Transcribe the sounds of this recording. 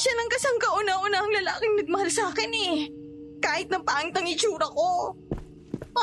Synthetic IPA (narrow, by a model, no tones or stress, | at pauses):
ʃanɐŋkɐsɐŋkɐʔʊnɐʔʊnaɐŋlɐlaːkɪŋnɐɡ̚mɐhalsaːkɪnɛ | kaːhɪt̪̚nɐŋpaːʔŋt̪ɐŋɪt͡ʃuːɾɐko̞